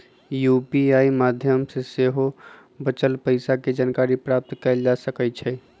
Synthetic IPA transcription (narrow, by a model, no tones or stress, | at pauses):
jupiaimad̪ʱjəmseseɦo | bət͡ʃəlpəɪsaked͡ʒankaɾipɾap̚t̪kɛld͡ʒasəkɛt͡ʃʰɛ